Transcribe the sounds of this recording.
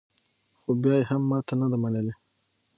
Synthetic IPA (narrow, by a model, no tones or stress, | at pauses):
xobjɑjehamːɑt̪ʰanad̪amanəle